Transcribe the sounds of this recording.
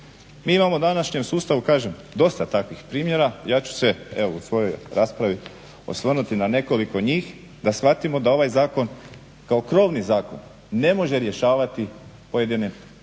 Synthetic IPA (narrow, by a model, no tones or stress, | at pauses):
miːimamoud̪anaʃɲe̞msuːst̪aʋukaːʒem | d̪o̞st̪at̪akʋixpɾiːmje̞ɾajaːt͡ɕu̥se̞e̞ʋousʋo̞jo̞jɾaːspɾaʋi | o̞̰sʋr̩nut̪inane̞ko̞liko̞ɲiːx | d̪asxat̪imo̞d̪ao̞ʋajzaːko̞n | kao̞kɾo̞ːʋnizaːko̞̰nː | e̞mo̞ʒe̞ɾje̞ʃaːʋat̪i | poje̞d̪inim